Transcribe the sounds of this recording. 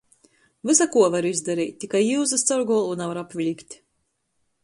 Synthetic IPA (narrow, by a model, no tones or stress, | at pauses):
vɨsakuɔvaɾizd̪aɾḭjt̪̚ʲt̪ːikajiwzɨst̪saɾɡɔɔlˠunavaɾapvʲilʲikʲt̪ʲ